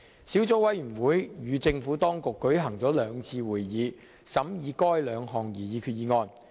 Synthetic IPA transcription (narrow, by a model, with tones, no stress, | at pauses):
si˨˥wt͡so˨˥wɐ˨˥jy˨˩nwuː˨˥jjyː˨˧t͡sɪ˧ŋfuː˨˥t̪ɔː˥ŋkʊ˨kːɵ˨˥ɥɦɐ˨˩ŋt͡sɔː˨˥lœː˨˧ŋt͡sʰiː˧wuː˨˩jːiː˨˧ | sɐ˨˥mjiː˨˧kɔː˥jlœː˨˧ŋɦɔː˨˩ŋjiː˨˩jiː˨˧kʰy˧t̚jiː˨˧ŋɔː˧n